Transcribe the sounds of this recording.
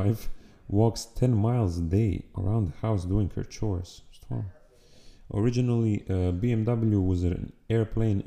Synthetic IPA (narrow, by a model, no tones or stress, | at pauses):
ɪvwɔkstʰɛ̃nmaɪlˠzdeɪə̰ɹã̰ʊ̃nðəhaʊsduɪ̃ŋhə̰˞t͡ʃʰɔɹstʰɔ̰̃ | ʔə̰˞ɪd͡ʒɨnl̩ˠiəbiɛ̃mdʌbl̩ˠjuwʌzɨ̰̃nɛɹpʰl̥ẽɪ̃n